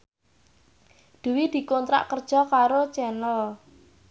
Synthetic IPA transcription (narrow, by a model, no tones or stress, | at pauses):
d̪̥ṳwid̪̥i̤kɔnt̪ɾa̰ʔkərd̥ʒ̥ɔ̤kaɾot͡ʃɛnəl